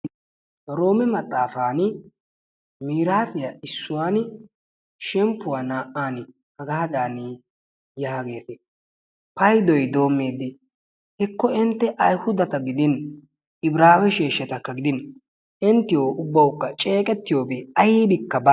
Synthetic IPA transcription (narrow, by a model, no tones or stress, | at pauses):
ɾo̞ːmɛmɐt̪ʼːaːfaːn | miːɾaːtɪjaʔɪsːʊwaːn | ʃɛmpːʊwaːnaːʔaːnɪ | hɐɡɐhɐd̪aːniː | jaːɡe̞ːt̪ɛ | pɐjd̪ɔjd̪o̞ːmːeːd̪ːɪ | hɛkːɔɪnt̪ːɛʔɐjhʊd̪ɐt̪ɐɡɪd̪ɪn | ɪbɾaːwɛʃeːʃːɛt̪ɐkːɐɡɪd̪ɪn | ʔɪnt̪ːɪjoːʔʊbːɐwʊkːɐt͡ʃʼe̞ːkʼɛt̪ːɪjo̞ːbeːɐjiːd̪ɪkːɐba